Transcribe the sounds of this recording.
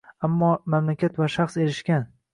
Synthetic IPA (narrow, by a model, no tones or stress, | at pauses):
amːɒːmamlakʲʰat̪vaʃaχse̞ɾɪʃkʲan